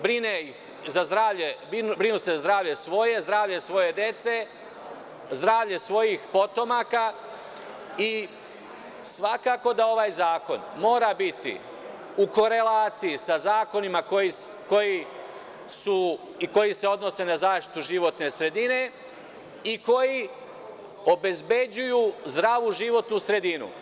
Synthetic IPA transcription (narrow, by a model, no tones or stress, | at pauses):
bɾineix | zazd̪ɾaːʋʎebibɾinusezazd̪ɾaːʋʎe̞sʋo̞je̞zd̪ɾaːʋʎe̞sʋo̞je̞d̪je̞t̪se̞ | zd̪ɾaːʋʎesʋo̞jixpo̞t̪o̞maːka | i | sʋakaːko̞d̪ao̞ʋaːjzaːko̞̰nmo̞ːɾabit̪ḭ | uko̞ɾe̞laːt̪sijisazaːko̞nimako̞jiko̞ji | su | iko̞jise̞o̞d̪no̞se̞nazaːʃt̪i̥t̪uʒiʋo̞t̪ne̞sɾe̞d̪ine̞ | iko̞ji | o̞be̞zbe̞d͡ʑujuːzd̪ɾaʋuʒiʋo̞t̪nusɾe̞d̪inṵ